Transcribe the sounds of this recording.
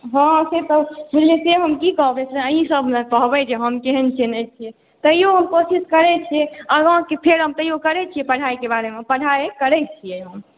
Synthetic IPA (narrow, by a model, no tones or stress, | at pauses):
ɦãset̪ɔbileseɦəmkikəɦbesʰeəɦĩsəbʱnekəɦbɛd͡ʒeɦəmkeɦənt͡ʃʰenɛt͡ʃʰie | t̪əɦijoɦəmkosiskəɾɛt͡ʃʰieəɡãkepʰeɾɦəmt̪əɦijokəɾɛt͡ʃʰijepəɽ̤ʱajkebaɾemepəɽ̤ʱajekəɾɛt͡ʃʰijeɦəm